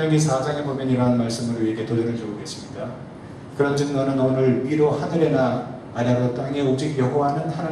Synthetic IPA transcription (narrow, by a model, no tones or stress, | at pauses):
ʌnisʰad͡ʑaŋebomjʌniɾʌɦanmaɭs͈ɯmɯɾɥieɡetodɯɾɯɭd͡ʑoɡoɡe̞s͈ɯmɲida | kɯɾʌnd͡ʑɯŋɡʌnɯnʌnɯɭɥiɾohanɯɾe̞na | maɾaɡot͈aŋe̞od͡ʑiɡjʌɡoɦanɯnhana